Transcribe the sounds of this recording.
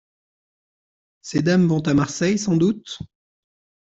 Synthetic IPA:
sed̪amvɔ̃t̪amaʁsɛjsɑ̃d̪ut̪

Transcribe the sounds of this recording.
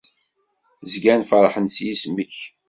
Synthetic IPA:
zɡænfəɾˤħənsjismiç

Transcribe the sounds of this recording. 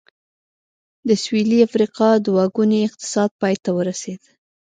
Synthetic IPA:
d̪əswiliafɾiqɑd̪wɑɡuneɪq̚t̪ɪ̥sɑd̪̚pɑjt̪awəɾased̪

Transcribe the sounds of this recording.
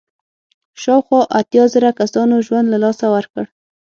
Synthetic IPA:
ʃɑwxwɑʔat̪jɑzəɾakasɑnoʒwand̪lalɑsawəɾkəɽ

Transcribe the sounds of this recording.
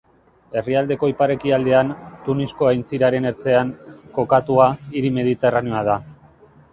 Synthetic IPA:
e̞riald̪e̞ko̞ipaɾe̞kiald̪e̞ant̪unisko̞ajnt͡siɾaɾe̞ne̞ɾt͡se̞aŋko̞kat̪uaiɾime̞ð̞it̪e̞raneo̞að̞a

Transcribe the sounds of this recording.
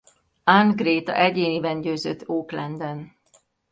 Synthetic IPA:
aŋɡreːt̪ɒ̰ʔɛɟeːnibɛɲɟøːzøt̪ːoːklɛnd̪ɛn

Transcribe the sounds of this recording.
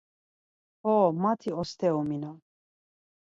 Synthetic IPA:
ɔmat̪ʰiɔst̪ʰɛumina

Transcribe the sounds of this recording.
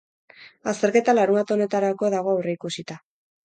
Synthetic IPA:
ast̪e̞ɾke̞t̪alaɾumbat̪o̞ne̞t̪aɾako̞ðaɣ̞o̞awreikusit̪a

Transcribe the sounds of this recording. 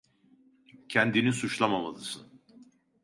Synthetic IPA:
cʰɛnd̪inisut͡ʃlˠamamalˠɯsɯ̰n

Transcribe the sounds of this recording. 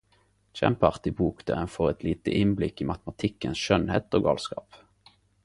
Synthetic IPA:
t͡ʃæ̰mpɑʁt̪ɪbuːkd̪̥æ̰ʁɛnfoʁɛt̪ʰliːt̪ə̰ʔɪnblɪkiːmɑt̪mɑt̪ʰɪkːənsʃœnheːt̪oːɡɑ̰ːlskɑ̰ːp

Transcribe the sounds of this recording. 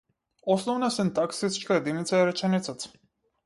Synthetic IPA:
ɔsnɔvnasint̪aksist͡ʃkajɛd̪init̪saɛɾɛt͡ʃɛnit̪sat̪

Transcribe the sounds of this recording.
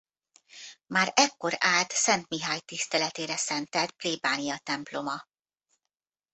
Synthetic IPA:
maːɾɛkːo̞ɾaːlt̪sɛnt̪miɦaːjt̪ist̪ɛlɛt̪eːɾɛsɛnt̪ɛt̪̚pleːbaːnijɒt̪ɛmplo̞mɒ

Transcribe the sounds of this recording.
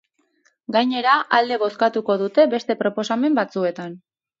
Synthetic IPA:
ɡajɲe̞ɾaʔald̪e̞βo̞skat̪uko̞ðut̪e̞be̞st̪e̞pɾo̞po̞same̞mbat͡sue̞t̪an

